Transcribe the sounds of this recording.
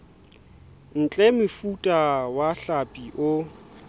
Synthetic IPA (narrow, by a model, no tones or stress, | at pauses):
n̩t͡ɬʼɛmɪfutʼawaɬapʼiʔʊ